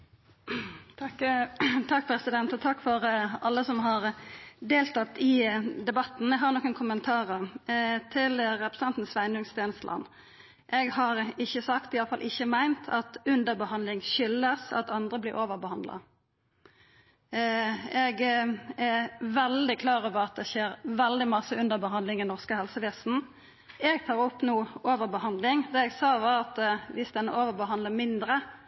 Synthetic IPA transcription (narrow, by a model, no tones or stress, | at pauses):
t̪ʰɑkːpʰɾɛsɪd̪ɛnt̪ɔt̪ʰɑkːfɔɾɑlːəsɔmɦɑʁd̪eːlt̪ʰɑt̪ːɪd̪ɛbɑt̪n̩ɛɡhɑɾnɔːkːənkʰʊmənt̪ʰɑːɾət̪ʰɪlɾɛpɾə̥sɛnt̪n̩sʋæɪnʉŋst̪ʰɛːnəst̪lʔɑ̰n | ʔɛɡhɑɾɪçːəsɑkt̪ɪɑləfɑlʔɪçəmæɪnt̪ʰɑt̪ʉnd̪əʁbəhɑnd̪lɪŋʃʏlːəsɑ̰t̪ɑnd̪ʁəblɪɾʔoːʋəʁbəhɑnd̪lɑ̰ | ɛɡɛʋɛld̪ɪkʰlɑːɾoːʋəʁɑt̪̚d̪ɛʃeːɾʋɛld̪ɪmɑsəʉnd̪əʁbəɦɑnd̪lɪŋɛnɔʁskəhɛlsəʋeːsn̩ | ɛɡt̪ʰɑːʁɔpːnuːoːʋəʁbəhɑnd̪lɪŋd̪ɛːɛɡsɑːʋɑʁɑt̪ʋɪsd̪ɛnːəʔoːʋəʁbəɦɑnd̪ləmɪnd̪ɾə